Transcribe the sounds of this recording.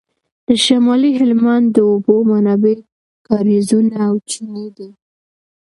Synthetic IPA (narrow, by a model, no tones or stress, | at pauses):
d̪̥əʃamɑliɦɪlmand̪d̪əobomanɑbe | kɑɾizunaːwt͡ʃined̪i